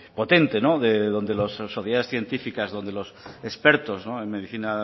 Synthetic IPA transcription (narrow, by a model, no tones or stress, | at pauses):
pot̪e̞nt̪enoðeðo̞nd̪elossːoθjaðesθje̞nt̪ifikazðo̞nd̪e̞losespeɾt̪oznoemeðiθina